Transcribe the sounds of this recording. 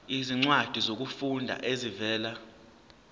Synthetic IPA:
iziŋ͡ǀwad̥ʱizok̬ufundʱa̰ʔezivɛːla

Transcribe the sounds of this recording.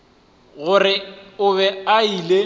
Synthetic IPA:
ɣʊrɪʊβɛaile

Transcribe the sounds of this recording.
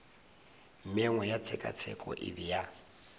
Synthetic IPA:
m̩mɛŋwɔjat͡sʰɛkʼa̰t͡sʰɛ̰kʼɔ̰ʔɪ̰bija

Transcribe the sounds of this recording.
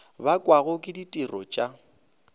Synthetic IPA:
bakʼwaɣʊkʼɪditʼirɔ̰t͡ʃʼa

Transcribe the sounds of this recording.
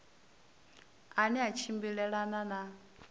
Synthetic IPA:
anɛat͡ʃʰimbiɺɛɺanana

